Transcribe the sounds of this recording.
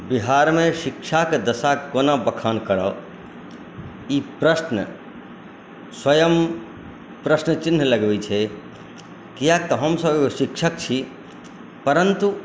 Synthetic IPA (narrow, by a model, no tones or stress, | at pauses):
biɦaɾmeʃikʃʰaked̪əsakonabəkʰankəɾə | ipɾəsnə | swəjəm | pɾəsnət͡ʃɪnːləɡbɛt͡ʃʰɛ | kijak̚t̪ɔɦəmsəbʃikʃʰəkt͡ʃʰi | pəɾənt̪u